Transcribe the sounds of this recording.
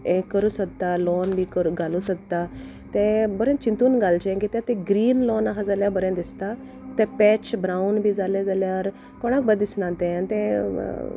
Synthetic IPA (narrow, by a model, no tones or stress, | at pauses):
ẽkəɾũːsək̚t̪alɔnbʱikəɾuɡalũsək̚t̪a | t̪ɛ̃bəɾẽnt͡ɕint̪uːnɡalt͡ɕeãŋkit̪jãt̪ɛ̃ɡɾiːnlɔnaɦad͡zaljabəɾẽnd̪ist̪a | t̪ɛ̃pɛt͡ɕbɾaunbʱiːd͡zaled͡zaljaɾ | koɽ̃ak̚bəd̪isnãt̪ɛ̃anit̪ɛ̰̃